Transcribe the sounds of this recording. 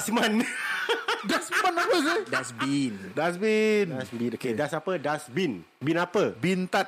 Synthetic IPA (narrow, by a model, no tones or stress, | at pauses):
sman | dasmanapəs̬ədasbindasbinsbikedasapədasbin | binapəbint̪at̚